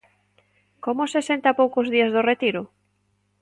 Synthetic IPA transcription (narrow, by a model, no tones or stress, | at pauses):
komʊsesent̪apowkozðiazðʊret̪iɾʊ